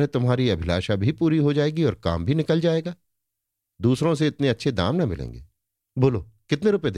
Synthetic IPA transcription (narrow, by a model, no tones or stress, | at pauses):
ẽt̪ʊmɦaːɾiɐbʱɪla̰ːʃabʱipuːɾiɦod͡ʒaːeːɡiɔːɾka̰ːmbʱinɪkəld͡ʒaːeːɡaː | d̪uːsɾõs̬eɪt̪neɐtːʃʰed̪a̰ːmnɐmɪlḛ̃ːŋɡḛː | boːloːkɪt̪neɾʊped̪